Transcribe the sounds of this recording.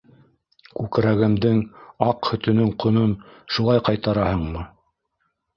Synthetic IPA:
kʉkɾæɡɘ̆md̪ɘŋɑqhɵ̆t̪ɵ̆nɵŋqʰŏnonʃulˠɑjqɑjt̪ɑɾɑhɤɴmɤ

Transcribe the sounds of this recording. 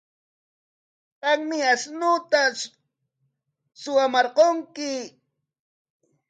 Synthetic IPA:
qɑŋmɪasnʊt̪a | sʊamɑɾqoŋkɪ

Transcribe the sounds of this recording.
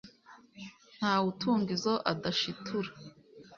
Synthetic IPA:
n̥haːwutʰuːŋɡizoʔadaʃitʰuɾa

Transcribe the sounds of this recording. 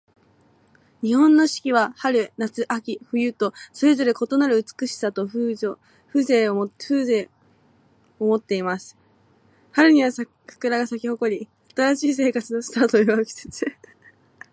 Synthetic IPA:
ɲ̟ihõ̞nːo̞ɕi̥kʲiβahaɾɯ̟nat͡sɨʔakʲiɸɯ̟jɯ̟t̪o̞so̞ɾe̞zo̞ɾe̞ko̞t̪o̞naɾɯ̟ɯ̟t͡sɨ̥kɯ̟ɕi̥sat̪o̞ɸɯo | ɸɯ̟ːze̞ːoɸɯ̟ːze̞ː | omo̞t̪ːe̞imasɨ̥ | haɾɯ̟ɲ̟iβ̞asa | ɸɯ̥kɯ̟ɾaɡasakʲiho̞ko̞ɾʲi | at̪aɾaɕiːs̬e̞ːkat͡sɨno̞sɨ̥t̪aːt̪o̞iβakʲi̥se̥t͡sɨ

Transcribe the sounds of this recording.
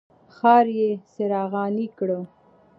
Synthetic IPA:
xɑɾjeseɾɑɣɑnikɽə

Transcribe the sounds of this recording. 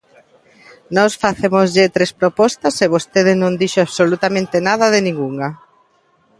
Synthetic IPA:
nɔsfaθemozʎɪt̪ɾespɾopɔst̪ɐseβost̪eðɪnõŋd̪iʃoaβsolut̪amẽnt̪ɪnaðɐðɪnĩŋɡuŋa

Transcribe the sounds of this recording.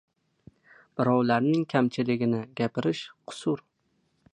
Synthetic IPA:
b̥ɪɾɒwlaɾnɪŋkʲʰamt͡ʃʰɪlɪɡʲɪnɪɡʲapɪɾɪʃqʰʊ̥sʊɾ

